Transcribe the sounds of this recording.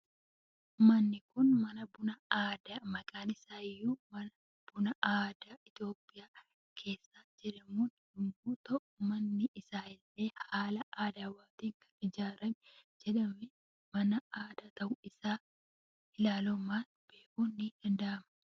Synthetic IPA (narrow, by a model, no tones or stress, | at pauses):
mɐnːɪkʊnmɐnɐbʊnɐaːd̪amɐkʼaːnɪsaːɪjːuːmɐnɐ | b̥ʊnɐʔaːd̪aːɪt̪jo̞ːpʼːɪjaː | kʰe̞ːsːaːd͡ʒɪɾɛmuːn | ʊmbuːt̪ɔʔmɐnːɪʔːsaːɪlːe̞ːhaːlɐʔaːd̪awaːt̪iːŋkɐ̥nɪd͡ʒaːɾɐmɛd͡ʒɛᶑɐmɛ | mɐnɐaːd̪at̪ɐʔʊɪsaː | ɪlaːlɔmaːt | b̥eːʔuːnid̥ɐnd̪ɐʔɐmɐ